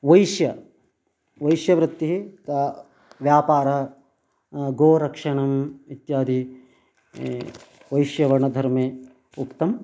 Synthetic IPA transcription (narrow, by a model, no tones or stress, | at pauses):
ʋɐjʃjɐ | ʋɐjʃjɐʋɾɪt̪ːiɦit̪a | ʋjaːpaːɾɐ | ɡoːɾɐkʂɐɳɐmit̪jaːd̪ʱi | ʋɐjʃjɐʋɐɾɳɐd̪ʱɐɾmeː | ukt̪ɐm